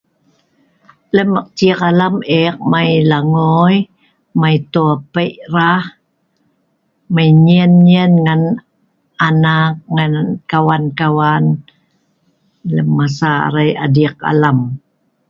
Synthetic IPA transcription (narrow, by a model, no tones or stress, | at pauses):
ləməq̚tiəqalamek̚majlaŋoj | majt̪oapəʔrah | majɲiənɲənŋan | ʔanak̚ŋankawankawan | ləmːasa̰ɾaja̰dik̚a̰lam